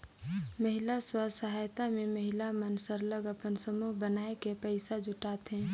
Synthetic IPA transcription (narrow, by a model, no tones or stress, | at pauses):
məɦilaswasəɦajt̪ameməɦilamənsəɾləɡəpənsəmuɦbənaekepəɪsad͡ʒʱʊʈat̪ɦɛ̃ː